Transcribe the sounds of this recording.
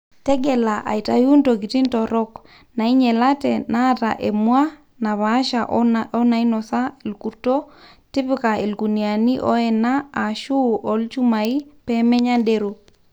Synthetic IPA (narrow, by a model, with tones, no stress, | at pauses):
tɛ˦ɡɛ˨la˨ʔa̰˨i˨ta˨ju˦ntoki˨ti˦ntɔ˨ɾɔ˦k | na˨i˦ɲɛ˨latɛna˦ta̰˨ʔe˨mwa˦ | na˨βa˦ʃaʔɔ˦na˨i˦nɔ˨sa˦e˨lku˨ɾto˦ | ti˦pika˨e˨lku˨ni˨a˨ni˦ʔɔ˦ɛ˨naː˦˨ʃu˦ʔɔ˨lt͡ʃu˦ma˨i˦pɛmɛ˦ɲa˦nde˦ɾo˨